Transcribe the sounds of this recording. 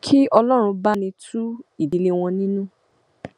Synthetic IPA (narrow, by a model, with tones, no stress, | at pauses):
kʰi˦ɔ˧lɔ˦ɾ̃ũ˧ba˦nĩ˧tʰu˦i˦˨di˨˧le˦w̃ɔ̃˧nĩ˦nũ˦